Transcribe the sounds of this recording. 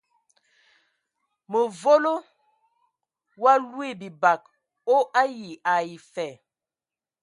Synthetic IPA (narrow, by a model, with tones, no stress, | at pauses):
mə˨vo˦lo˦ | wa˦lwi˦˨bi˨ba˨k̚ | o˦ʔa˦ji˨a˨i˨fɛ˨